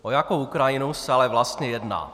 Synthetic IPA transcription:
ʔojakowʔukɾajɪnusɛalɛvlast̪ɲɛjɛdna̰ː

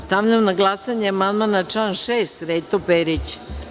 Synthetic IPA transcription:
st̪aʋʎamnaɡlˠasaɲeamand̪manat͡ʃlanʃeːst̪ɾet̪opeɾit͡ɕ

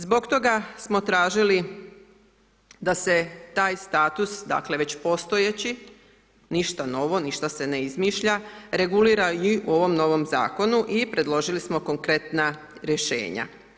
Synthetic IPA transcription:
zbo̞ɡt̪o̞ɡasmo̞t̪ɾaːʒili | d̪ase̞t̪aːjst̪aːt̪usd̪a̰ːkle̞ʋe̞t͡ɕpo̞st̪o̞jet͡ɕi | niʃt̪ano̞ʋo̞niʃt̪ase̞ne̞izmiːʃʎaɾe̞ɡuliːɾaiuo̞ʋo̞mno̞ʋo̞mza̰ːko̞nuʔipɾe̞d̪lo̞ʒilismo̞ko̞ŋkɾe̞t̪na | ɾje̞ʃe̞̰ːɲa̰

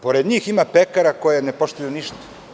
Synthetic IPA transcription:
po̞ɾed̪ɲiːximapekaɾako̞jenepo̞ʃt̪ujuniʃt̪ḁ

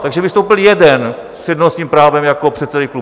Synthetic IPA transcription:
t̪aɡʒɛvɪst̪owpɪljɛdɛn | sjɛdnoaskiːmpɾaːvɛmjakopr̥ɛt̪sɛdɪklu

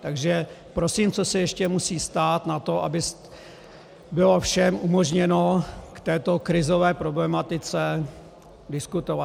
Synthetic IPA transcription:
t̪aɡʒɛpɾo̞siːmt͡so̞sɛjɛʃcɛmusiːst̪aːt̪nat̪o̞ʔa̰bɪs | bɪlo̞fʃɛmʔumo̞ʒɲɛno̞kt̪ɛːt̪o̞kɾɪzo̞vɛːpɾo̞blɛmat̪ɪt͡sɛ | dɪskut̪ova

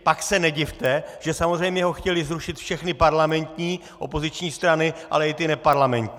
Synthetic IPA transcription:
paksɛnɛɟɪft̪ɛʒ̥ɛsamozr̝ɛjmɲɛɦo̞xcɛlɪzɾuʃɪt̪fʃɛxnɪpaɾlamɛnt̪ɲiː | ʔo̞̰po̞zɪt͡ʃɲiːst̪ɾanɪʔa̰lɛɪt̪ɪnɛpaɾlamɛnt̪ɲː

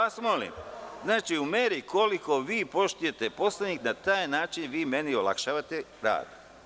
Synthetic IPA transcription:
asmo̞lḭmznaːt͡ʃiumeːɾikʰo̞liko̞ʋiːpo̞ʃt̪uje̞t̪e̞po̞slenʲiknat̪aːjnaːt͡ʃinʋiːme̞niolˠa̰kʃaːʋat̪eɾa̰ːd̪

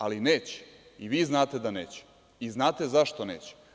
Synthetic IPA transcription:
alineːt͡ɕɛ̥ | iʋiːznaːt̪e̞d̪aneːt͡ɕɛ̥ | iznaːt̪e̞zaʃt̪one̞̰ːt͡ɕɛ̥

